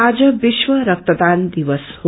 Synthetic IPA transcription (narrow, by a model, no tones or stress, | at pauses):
aːd͡ʒəʋiʃʋəɾɐk̚t̪əd̪aːnd̪iʋəsho